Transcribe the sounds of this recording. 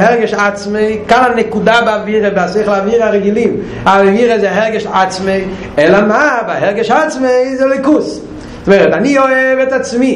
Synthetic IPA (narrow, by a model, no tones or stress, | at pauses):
ɛʁɡɪʃat͡smeɪkananɛkudabaviːʁəbaseɪχlˠaviːʁaʁɛɡɪlˠim | avviːɾəzeɦɛʁɡɪʃat͡smeɪ | ɛlamabahɛʁɡɪʃat͡smezeloɪkus | sveːɾətaniɔvɛtat͡smiː